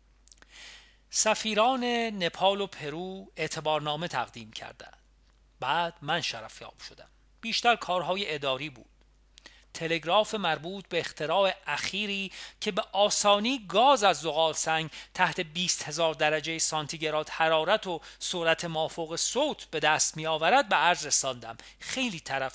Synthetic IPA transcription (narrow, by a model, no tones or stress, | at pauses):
sæfiːɾɒːne̞ne̞pʰɒːlo̞pʰe̞ɾuːe̞ʔt̪ʰe̞bɒːɾnɒːme̞t̪ʰæ̰ɣd̪iːmcʰæ̰ɾd̪æ̰nd̪̥ | bæːd̪̥mænʃæɾæfjɒ̰ːb̥ʃo̞d̪æm | b̥iːʃt̪æɾkʰɒːɾɦɒːje̞ʔed̪ɒːɾiːbuːd̪̥̚ | t̪ʰe̞le̞ɡɾɒːfe̞mæɾbuːt̪̚ʰbeːxt̪ʰe̞ɾɒːe̞ʔæxiːɾiːcʰe̞beʔɒːsɒːniːɡɒːzæzːoɣɒːlsæŋɡt̪ʰæht̪ʰe̞biːst̪he̞zɒːɾd̪æɾæd͡ʒejesɒnt̪ʰiɟe̞ɾɒːt̪hæɾɒːɾæt̪ʰosoɾæt̪ʰemɒːfoɣe̞soːt̪ʰb̥e̞d̪æːst̪miːjɒːvæɾæd̪̚beæɾzre̞sɒːnd̪æm | xe̞jliːt̪ʰæɾæf